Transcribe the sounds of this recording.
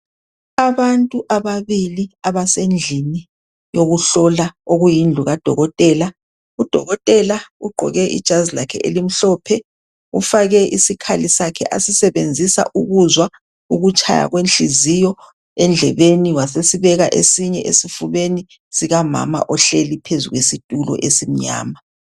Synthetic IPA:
aβantʼuʔaβaβiliaβasend͡ɮʱini | joɣuɬɔlaoɣujind͡ɮʱuɣad̥ʱɔɣɔtʼɛːla | ud̥ʱɔ̰ɣɔtʼɛlauɡ͡ǃʱɔ̰ɣɛʔḭd̥ʒ̥ʱazilakʰɛʔelim̩ɬɔːpʰɛ | ufaɣɛʔisikʰalisakʰɛ̰ʔasisɛβend͡zʱisa̰ʔuɣuzwa | uɣut͡ʃʼa̰ja̰ɣwenɬizijɔ | ɛnd͡ɮʱɛβeniwasesiβɛɣaʔesiɲɛʔesifuβeni | siɣama̰ma̰ʔɔɬelipʰezuɣwesitʼulɔ̰ʔesim̩ɲa̰ːma

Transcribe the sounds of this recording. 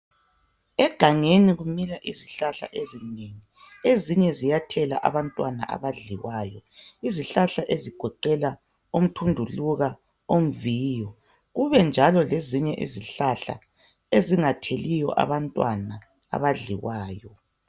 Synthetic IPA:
ɛɡ̥ʱaŋeniɣumilaʔiziɬaɬa̰ʔezineŋi | eziɲɛzijatʰɛla̰ʔa̰βantʼwana̰ʔa̰βaɮiwaːjɔiziɬaɬaʔeziɡ̥ʱɔǃɛla | um̩tʰundʱuluɣa | om̩viːjɔ | ɣuβɛnd͡ʒʱalɔleziɲɛʔḭziɬaɬa̰ | eziŋatʰelijɔ̰ʔa̰βantʼwana̰ː | βaɮḭwaːjɔ

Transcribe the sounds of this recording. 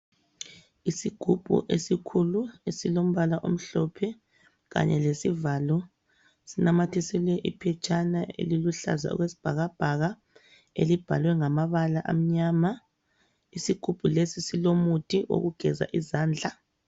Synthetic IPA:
isiɡ̥ʱub̥ʱṵʔesikʰuluesilom̩βalaʔom̩ɬɔpʰɛ | ɣa̰ɲɛlesivalɔ | sinamatʰisilwɛʔipʰɛt͡ʃʼanaḛliluɬa̰za̰ɔ̰ɣwesi̥b̥ʱaɣab̥ʱaɣa | elib̥ʱalwɛŋamaβalaʔa̰m̩ɲama | isiɡ̥ʱub̥ʱulesisilomutʰiʔo̰ɣuɡ̥ʱɛza̰ʔizaːnd͡ɮʱa

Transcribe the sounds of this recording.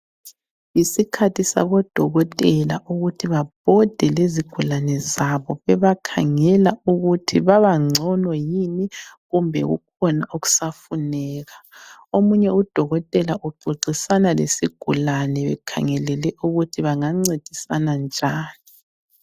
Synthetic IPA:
isikʰatʰisa̰βɔd̥ʱɔɣɔtʼɛlaʔuɣutʰiβab̥̚ʱɔd̥ʱɛleziɡ̥ʱulanɛzaβɔβɛβakʰa̰ŋɛlauɣutʰiβaβaŋ͡ǀʱɔnɔjiniɣumbʱɛ̰ɣṵkʰɔnaʔuɣu̥safunɛːɣaomuɲɛud̥ʱɔɣɔtʼɛlaʔuɡ͡ǃʱoǀisanalḛsiɡ̥ʱulanɛβɛkʰa̰ŋɛlɛlɛʔuɣutʰiβaŋaŋ͡ǀed̥ʱisanand͡ʒʱaːni

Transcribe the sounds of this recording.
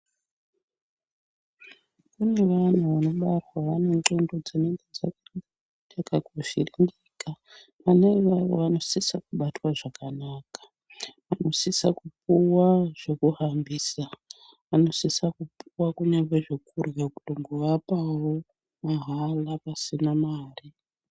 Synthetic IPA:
kune̞ʋan̤uʋano̞ɓatwaʋane̞ŋǃondod͡zineŋɡed͡za | d͡ʒakaɡʱoʃirindika | ʋaneʋao̰ʋano̞sisakuɓatwaʐakanakḁ | ʋano̞sisa̰kup̚uwaʐ̥e̞kuɦambiːsa | ʋano̞sisakupuwakuɲaβeʐe̞kurjakuɗoŋɡoʋapawo | maɦalapasinamaːri

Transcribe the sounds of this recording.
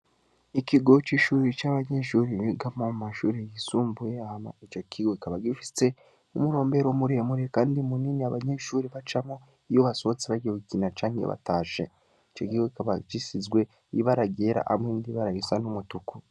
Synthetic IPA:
ikiɡo̞t͡ʃiʃuːɾit͡ʃaːβaɲe̞ʃuɾiiɡamomumaʃuːɾejisuːmbujeama̰it͡ʃo̞kʰiɡoikaβaɡifi̥se̞ | umuɾo̞ːmbe̞ɾomuɾehemuɾiekaːndimuniniaβaɲe̞ʃuːɾiβat͡ʃamo | ijoβasot͡siβaɡewukinat͡ʃaːŋijo̰βa̰taːʃḛ | it͡ʃo̞kiɡokikaβad͡ʒisizɡwe | iβaɾaɡeɾa̰ʔamŋeːndiβaɾajisanumutuku

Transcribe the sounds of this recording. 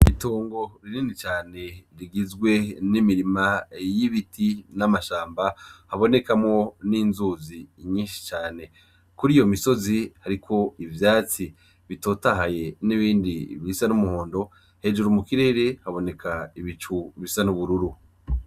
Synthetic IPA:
itoːŋɡo̞ɾiniːnit͡ʃaːne̞ɾiɡizɡwe̞nimiɾimajiβitʰinamaʃaːmbahaβo̞ne̞kamŋo̞niːnzuːziɲiːnʃi̥t͡ʃaːne̞ | kuɾijo̞miso̞zihaɾikʰo̞ivjaːt͡si | βito̞taɦaje̞niβiːndiβisanumuho̞ːndo̞ | he̞d͡ʒuɾumukiɾe̞ːɾe̞haβo̞ne̞kʰaiβit͡ʃuβisanuβuɾuɾu

